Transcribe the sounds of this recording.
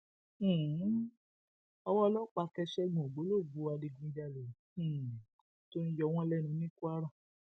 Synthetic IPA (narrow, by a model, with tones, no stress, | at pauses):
ɔ˧wɔ˦lɔ˦k͡pa˧kɛ˧ʃɛ˦ɡ͡bɔ̃˨ɡ͡bo˨˦lo˦˨ɡu˨˧˦a˧di˧ɡũ˧d͡ʒa˧lɛ̃˨ | to˦n̩˦jɔ˧w̃ɔ̃˦lɛ˦˨nũ˨˧˦nĩ˦ku˦a˦ɾã˦˨